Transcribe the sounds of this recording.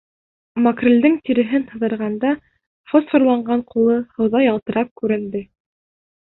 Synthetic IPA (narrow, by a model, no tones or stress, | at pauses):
mɐkrʲĕld̪ɘŋt̪iɾɘ̆ɦɘnh̪ɤ̆ðɤ̆ɾʁɑnd̪ɑ | fosfŏɾlˠɑɴɢɑɴqulˠɤhɤ̆wðɑjɑlˠt̪ɤ̆ɾʔɑp̚kʉɾɘ̆nd̪ɘ